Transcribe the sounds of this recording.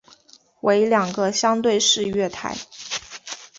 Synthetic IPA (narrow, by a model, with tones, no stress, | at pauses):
wʔe˧˥ɪljɑ˨˩ŋɡə˦ɕjɑ˥ŋt̪we˥˧ɪʂɻ̩˥˧ɥɛ˥˩t̪ʰa̰˧˥ɪ